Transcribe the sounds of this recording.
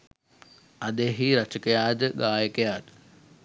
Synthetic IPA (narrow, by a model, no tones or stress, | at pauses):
ɐd̪eːɦiɾɐt͡ʃəkəjaːd̪əɡaːjəkəjaːd̪ə